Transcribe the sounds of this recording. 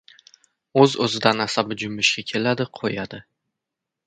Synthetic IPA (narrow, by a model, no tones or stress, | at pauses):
ɵzɵzɪd̪anasabɪd͡ʒʊmːɪʃkʲakʲʰe̞lad̪ɪqʰojad̪ɪ